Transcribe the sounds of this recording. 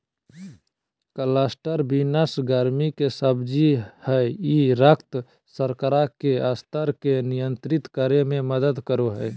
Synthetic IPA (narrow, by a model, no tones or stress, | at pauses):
kəlaːsʈəɾbinəsɡəɾmikesəbd͡ʒihəiɾəkʰt̪ | səɾkəɾakeast̪əɾkenijənt̪ɾɪt̪kəɾemẽməd̪əd̪kəɾoɦɛ